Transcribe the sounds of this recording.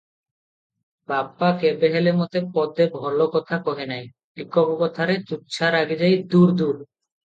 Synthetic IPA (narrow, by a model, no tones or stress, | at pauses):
babːakebeɦelemɔt̪epɔd̪ebʱɔlokɔt̪ʰakɔɦenaj | likopokɔt̪ʰaɾet͡ɕutːɕʰaɾaɡid͡ʑajd̪uɾd̪uɾ